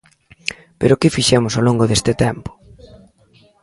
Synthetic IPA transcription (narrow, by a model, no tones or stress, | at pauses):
peɾʊkɪfiʃɛmʊsoloŋɡʊðest̪ɪt̪ɛmpʊ̥